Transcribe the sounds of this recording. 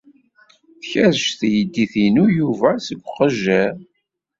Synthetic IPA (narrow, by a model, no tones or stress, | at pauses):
θçæɾʃθjəd̪ːiθinujuvæsəɡʷːqəʒːæ